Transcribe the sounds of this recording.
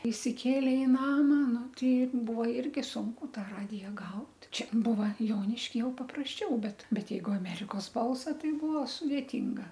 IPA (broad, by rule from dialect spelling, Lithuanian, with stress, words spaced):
ɪsʲɪˈkʲeːlʲeː ɪ ˈnɑːmɐ ˈnʊ ˈtɐɪ ˈbʊʋoː ˈɪrʲɡʲɪ ˈsʊŋkʊ ˈtɑː ˈrɑːdʲɪjɛ ˈɡɐʊt ˈt͡ʃʲɛ ˈbuːʋɐ ˈjoːnʲɪʃʲkʲɪ ˈjɛʊ pɐprɐsʲˈt͡ʃʲɛʊ ˈbʲɛt ˈbʲɛt ˈjɛɪɡʊ ɐˈmʲæːrʲɪkoːs ˈbɐlˠsɐ ˈtɐɪ ˈbuːʋɐ sʊdʲeːˈtʲiːŋɡɐ